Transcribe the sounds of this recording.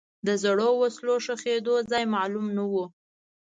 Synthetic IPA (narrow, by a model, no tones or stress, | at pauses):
d̪əzaɽowasloʂəxed̪ozɑjmɑlumnawu